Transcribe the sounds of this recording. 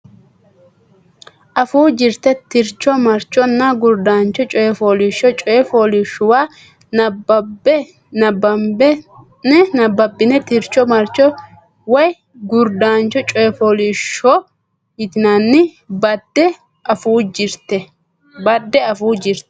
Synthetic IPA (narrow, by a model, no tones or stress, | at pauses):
ʔɐfuːd͡ʒɪɾt̪ːɛt̪ɪɾt͡ʃːɔmɐɾt͡ʃːɔnːɐɡʊɾd̪aːnt͡ʃːɔt͡ʃʼɔjɛfoːlɪʃːɔt͡ʃʼɔjɛfoːlɪʃːʊwaː | nɐbɐbɛ | nɐbɐmbɛ | nɛnɐbːɐbːɪnɛt̪ɪɾt͡ʃːɔmɐɾt͡ʃːɔ | wɔj | ɡʊɾd̪aːnt͡ʃːɔt͡ʃʼɔjɛfoːlɪʃːɔ | jɪt̪ɪnanːɪ | bɐd̪̥ɛ | ɐfuːd͡ʒɪɾt̪ːɛ | bɐd̪ːɛɐfuːd͡ʒɪɾt̪ɛ̥